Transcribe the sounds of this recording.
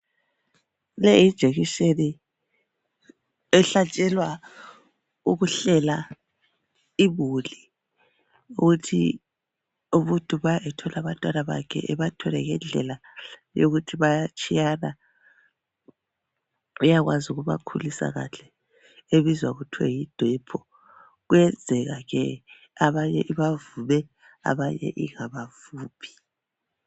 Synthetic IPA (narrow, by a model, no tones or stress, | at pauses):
lɛjid̥ʒ̥ʱeɣiʃeni | ɛɬat͡ʃʼɛlwa | uɣuɬɛla | iβuli | uɣutʰḭ | uβutʼuβajaɛtʰɔlʔaβatʼwalaβa̰kʰɛ̰ʔɛβatʰɔlɛɣɛnd͡ɮʱɛla | jo̰ɣutʰiβajat͡ʃʼijana | ujaɣwazuɣuβa̰kʰulisa̰ɣa̰ɬɛ | eβizwaɣutʰwɛ̰jid̥ʱwɛpʰɔ | ɣwɛnd͡zʱɛɣaɣɛ | aβaɲɛʔiβavuβɛ | a̰βaɲɛ̰ʔiŋaβavuːpʰi̥